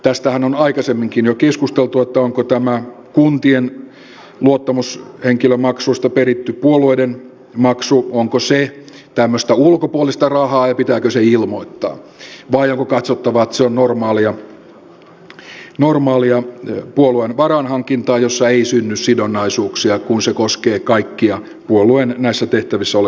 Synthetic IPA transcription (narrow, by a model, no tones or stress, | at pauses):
t̪æst̪æhænonɑikɑsemːiŋkinjokeskust̪elt̪uet̪ːæoŋkot̪æmæ | kunt̪ien | luot̪ːɑmusheŋkilømɑksuist̪ɑperit̪ːypuolueiden | mɑksuoŋkose | t̪æmːøst̪æulkopuolist̪ɑrɑhɑːjɑpit̪æːkøseilmoit̪ːɑ̰ːʋɑioŋkokɑt̪sot̪ːɑʋɑt̪seonnormɑːliɑ | normɑːliɑpuoluenʋɑrɑnhɑŋkint̪ɑːjosːɑeisynːyssidonːɑisuːksiɑkunsekoskeːkɑikːiɑ | puoluennæisːæt̪eht̪æʋisːæol